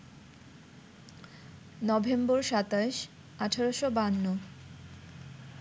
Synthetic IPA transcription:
nɔbʱemboɾʃat̪aʃ | aʈʰaɾoʃobanːo

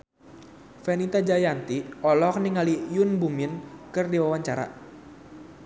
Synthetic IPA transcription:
fɛnit̪ad͡ʒajant̪iɔlɔk̚niŋalijʊnbuminkɨrdiwawaɲt͡ʃaɾa̰

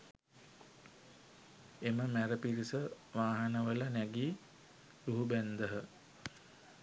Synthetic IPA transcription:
eməmæɾəpiɾisə | ʋaːɦənəʋələnæɡiː | luɦubænd̪əɦə

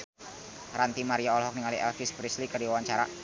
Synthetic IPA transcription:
ɾant̪imaɾiaɔlɦɔk̚niŋaliɛlfispɾislikərdiwawaɲt͡ʃaɾa̰

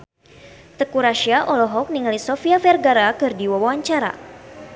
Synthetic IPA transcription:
t̪əkuɾaʃiaʔɔlɔɦɔk̚niŋalisɔfiafɛrɡaɾakɨrdiwawawaɲt͡ʃaɾa̰

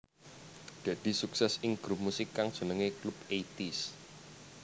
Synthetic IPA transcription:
d̪̥ä̤d̪̥i̤suksɛsɪŋɡ̥ɾup̚musɪkːaŋd̥ʒ̥ə̤nəŋeklupet̪is

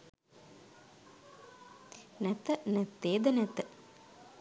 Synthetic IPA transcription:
nɛt̪ənɛt̪ːeːd̪ənɛt̪ə

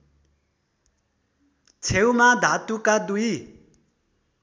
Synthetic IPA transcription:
t͡sʰewmad̪ʱat̪ukad̪uj

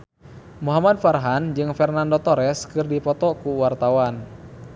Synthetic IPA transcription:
muɦamadfarɦand͡ʒɨŋfɛrnandɔt̪ɔɾɛskɨrdipɔt̪ɔkuwart̪awan

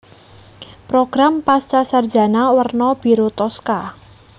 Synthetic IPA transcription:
pɾoɡ̥ɾampast͡ʃasardd͡ʒa̤nawərnɔb̥i̤ɾot̪ɔska

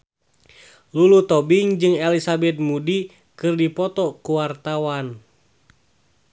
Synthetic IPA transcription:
lulut̪ɔbiŋd͡ʒɨŋɛlisabɛt̪̚mudi | kɨrdipɔt̪ɔkuwart̪awan

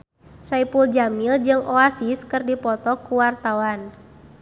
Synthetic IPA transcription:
saipuld͡ʒamild͡ʒɨŋʔɔasiskɨrdipɔt̪ɔkuwart̪awan

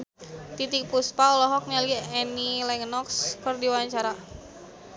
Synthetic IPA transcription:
t̪it̪ik̚puspaɔlɔɦɔk̚naliɛnilɛŋnɔkskərdiwaɲt͡ʃaɾa

